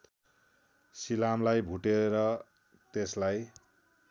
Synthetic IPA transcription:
silamlajbʱuʈeɾʌ | t̪eslaj

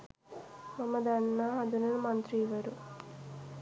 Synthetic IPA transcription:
mɐmɐd̪ɐnːɐɐd̪unɐlmɐnt̪ɾiːʋɐɾu

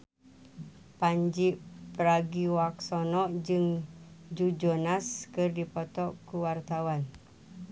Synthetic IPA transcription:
paɲd͡ʒiʔpəɾaɡiwaksɔnɔʔd͡ʒɨŋd͡ʒud͡ʒɔnaskɨrdipɔt̪ɔʔkuwart̪awan

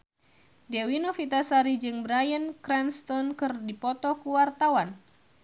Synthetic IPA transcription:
dewinofit̪asaɾid͡ʒɨŋbɾajənkɾɛnst̪ɔnkɨrdipɔt̪ɔkuwart̪awan

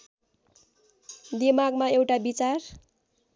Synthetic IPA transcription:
d̪emaɡmaewʈabit͡sar

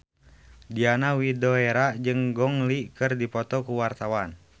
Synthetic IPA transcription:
dianawidɔeɾad͡ʒɨŋɡɔŋlikɨrdipɔt̪ɔkuwart̪awan

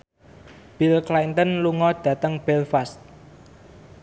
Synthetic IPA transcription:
b̥ilklant̪ənluŋɔɖ̥ä̤t̪əŋb̥ɛlfast̪̚

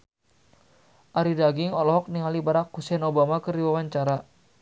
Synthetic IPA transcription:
ʔaɾidaɡiŋɔlɔɦɔk̚niŋalibaɾakːusɛnobamakərdiwawaɲt͡ʃaɾa

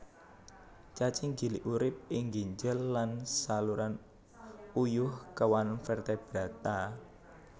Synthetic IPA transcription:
t͡ʃat͡ʃɪŋɡi̤liʔuɾɪp̚ɪŋɡiɲd͡ʒəlːansaluɾan | ujʊhkəwanfɛrt̪ɛb̥ɾat̪a

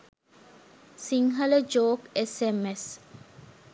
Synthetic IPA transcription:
siŋɦɐləd͡ʒoːkesemes

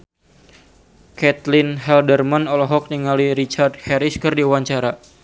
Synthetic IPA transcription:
kɛt̪lɪnɦɛldərmanɔlɔɦɔk̚niŋaliɾit͡ʃard̚hɛɾiskɨrdiuwaɲt͡ʃaɾa

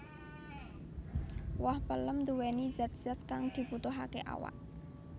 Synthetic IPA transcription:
wɔhpələmd̪uwɛni̥d͡ʒ̥at̪̚ʒ̥askaŋd̪̥i̤put̪ʊɦakḛʔa̰wa̰ʔ̚

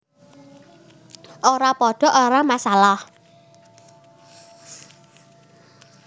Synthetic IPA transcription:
ʔoɾapɔɖ̥ɔ̤ʔoɾamasalah

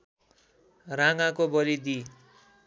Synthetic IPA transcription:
raŋãkobʌɾid̪i

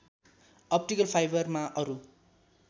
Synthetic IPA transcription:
ʌp̚ʈikʌlpʰajbʌrmaʔʌɾu

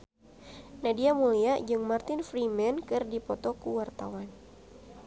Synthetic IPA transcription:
nadiamuliaʔd͡ʒɨŋmart̪ɪnfɾimɛnkɨrdipɔt̪ɔkuwart̪awan

